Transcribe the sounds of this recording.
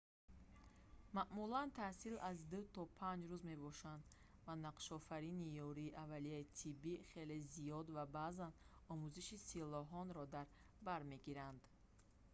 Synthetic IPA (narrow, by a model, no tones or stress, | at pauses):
maʔmulant̪ʰasilazd̪ut̪ʰɔpʰand͡ʒɾuzme̞bɔʃand̪ | vanaqʃɔfaɾinijɔɾiːʔavalijait̪ʰibiχe̞le̞zijɔd̪vabazanɔmuziʃisilɔɦɔnɾɔd̪aɾ | baɾme̞ɡiɾand̪